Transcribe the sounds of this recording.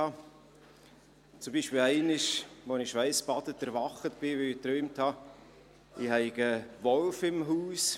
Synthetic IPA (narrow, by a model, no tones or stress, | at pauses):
ɑ | t͡sʊmbiːʃpɪlæɪnɪʃʋonɪʃʋæɪspɑdətɛɾʋɑχətb̥ɪʋøitɾœːmthɑ | ɪhɛɪɡəʋɔlfɪmɦuːs